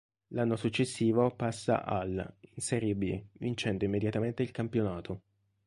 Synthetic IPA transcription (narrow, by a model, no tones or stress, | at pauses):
lanːosut͡ʃːesːiːvopasːa̰ʔa̰linseɾibilḭvint͡ʃɛnd̪oimːed̪jat̪ament̪eilkampjonaːt̪ʰo